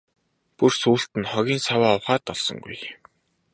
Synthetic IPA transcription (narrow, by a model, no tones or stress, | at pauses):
pursuːɬt̪ɘ̆nχɔɣʲiːnsawaːɔwχaːt̪ɔɮsɞ̰̆ŋɡṵj